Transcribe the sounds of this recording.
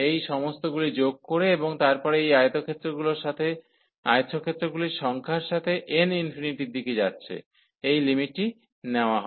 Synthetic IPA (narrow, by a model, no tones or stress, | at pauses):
ejʃɔmost̪oɡulid͡ʑoɡ̚koɾeeboŋt̪aɾpɔɾejajt̪okʰet̪ːɾoɡuloɾʃat̪ʰe | a̰jot̪ːʃʰokʰet̪ːɾoɡuliʃɔŋkʰaɾʃat̪ʰeʔeninfiniʈiɾd̪iked͡ʑatːɕʰḛ | ejlimiʈ̚ːi | neoaɦɔe